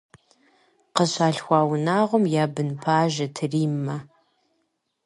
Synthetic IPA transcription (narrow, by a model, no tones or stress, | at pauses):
qəɕaːɬxʷɑːwnaːʁʷɔmjaːbɨnpʰaːʒɐtʰɨriːmːɐ